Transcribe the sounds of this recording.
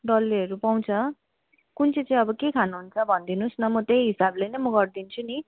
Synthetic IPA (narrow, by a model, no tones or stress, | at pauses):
ɖʌlːeʌɾupaw̃t͡sʰʌ | kunt͡sʰet͡saĩʌbʌkekʰanuɦunt͡sʰʌbʱʌnd̪inusnʌmʌt̪ejɦisablejnʌjmʌɡʌrd̪int͡sʰuni